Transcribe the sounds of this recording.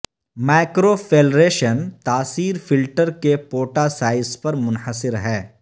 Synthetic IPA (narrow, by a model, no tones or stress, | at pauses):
maːɪkɾofʰeːɖɾeːʃənt̪aːsiːɾfɪlʈəɾkepoːʈasaːɪzpɐɾmʊnħəsɪɾɦɛː